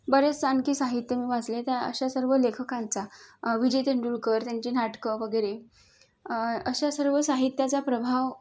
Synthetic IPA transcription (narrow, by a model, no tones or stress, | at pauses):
bəɾet͡st͡sankiːsaɦit̪jəmiːʋat͡slet̪aə̰ɕasəɾʋəlekʰəkant͡saʋid͡ʑet̪eɳɖulkəɾt̪jaɲt͡ɕiːnaʈkəʋəɡəjɾe | əɕasəɾʋəsaɦit̪jat͡sapɾəbʱaʋ